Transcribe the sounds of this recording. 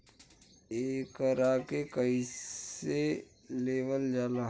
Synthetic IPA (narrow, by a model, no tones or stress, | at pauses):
eːkəɾaːkekəi | e | leːʋəld͡ʒaːla